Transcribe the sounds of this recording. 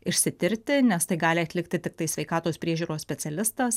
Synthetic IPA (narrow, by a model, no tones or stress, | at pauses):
ɪʃʲsʲɪt̪ʲɪɾʲt̪ʲɪnʲɛst̪ɐɪɡɑːlʲɪɐt̪ʲlʲɪkt̪ʲɪt̪ʲɪk̚t̪ɐɪsʲʋʲɛɪkɑːt̪oːspʲɾʲiɛʒʲuːɾoːssʲpʲɛtsʲɛlʲɪst̪ɐs